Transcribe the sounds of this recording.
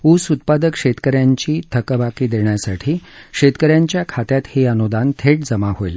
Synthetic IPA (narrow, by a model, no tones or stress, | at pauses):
usut̪̚pad̪əkʂet̪kəɾjaɲt͡ɕiːt̪ʰəkəbakiːd̪eɳjasaʈʰiːkʂet̪kəɾjãɲt͡ɕjakʰat̪jat̪heanud̪ant̪ʰeʈd͡zəmaɦojl